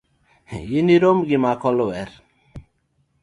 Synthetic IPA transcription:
jiniɾomɡimakʰɔlɔwɛɾ

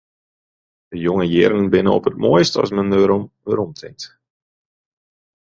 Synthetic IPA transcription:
dəjoŋəjɪrnənbɪnə̰ɔpət̚moːjstɑ̰smənəɾmʋəɾɔmtʰɪ̰ŋt

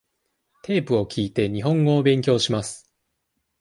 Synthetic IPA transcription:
t̪e̞ːpɯ̟o̞kʲʰiːt̪e̞ɲ̟iɦõ̞ŋɡo̞ːbẽ̞ŋkʲo̞ːɕimasɨ̥

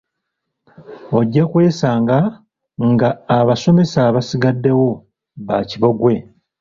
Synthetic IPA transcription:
o̞ɟːakwe̞ːsaːŋɡa | ŋɡaːβaso̞me̞saβasiɡadːe̞wo̞ | βaciβo̞ɡwe̞

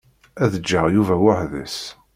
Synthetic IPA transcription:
æðəd͡ʒːəʁjuvæwəħðə̰s

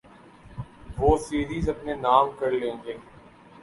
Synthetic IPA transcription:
ʋoːsiːɾiːzɐpnenaːmkɐɾlẽːŋɡeː

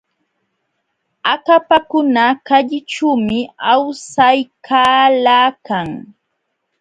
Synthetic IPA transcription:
akapakʊnakaʎɪʈ͡ʂuːmɪawsajkʰaːlaːkaŋ

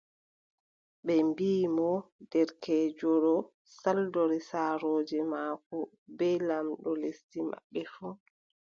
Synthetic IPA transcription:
ɓɛmbiːmɔdɛɾkʰɛːd͡ʒɔɾɔ | saldɔɾisaːɾoːd͡ʒɛmaːkɔ | bɛlamɗɔlestimʔa̰ɓːɛfu

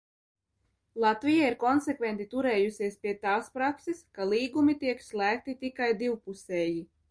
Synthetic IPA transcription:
lˠat̪vʲijaiɾkɔnsɛkvʲɛnt̪it̪uɾɛːjusʲiɛspʲiɛt̪aːspɾakseskalˠiːɡumit̪iɛkslˠæːk̚t̪it̪ikajd̪iwpusʲɛːji

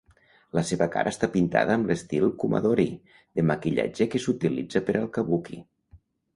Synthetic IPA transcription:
ləseβəka̰ɾʔəːst̪apint̪a̰ðəːmlest̪ilˠkuma̰ðoɾi | ðeməkiʎa̰d͡ʒekesut̪ilḭd͡zəpəɾʔəlˠkəβuki

